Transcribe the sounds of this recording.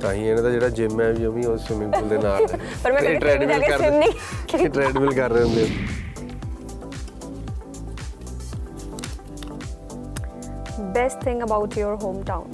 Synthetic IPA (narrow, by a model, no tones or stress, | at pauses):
t̪ãːɦĩːɛːnãt̪ãd͡ʒeːɽaːd͡ʒɪmːɛ̃ʋiːoʋĩːosmɪləld̪eːnaːlpəɾmɛ̃eːʈɾɛːɖʋɪlkəɾiʈɾɛːɖʋɪlkəɾːeːɦõnd̪eo | bɛsʈt̪ʰɪ̃ŋɡəbaʊʈʰjoɾɦõːmʈãʊ̃n